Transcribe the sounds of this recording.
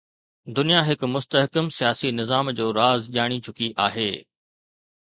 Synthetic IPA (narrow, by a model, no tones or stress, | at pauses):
d̪ʊnijaɦɪkmʊst̪əɦkəmsijaːsinɪzaːmd͡ʑoːɾaːzʄaːɽ̃it͡ɕʰʊkiʔaːɦḛː